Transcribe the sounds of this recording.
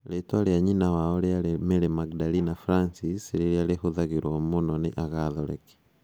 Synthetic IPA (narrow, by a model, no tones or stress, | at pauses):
letwaɾeaɲinawaɔɾeaɾemeɾemaɡdalinafɾansisɾeɾjaɾehoðaɣeɾwɔmonɔneʔaɣaðɔɾɛ̰ke̥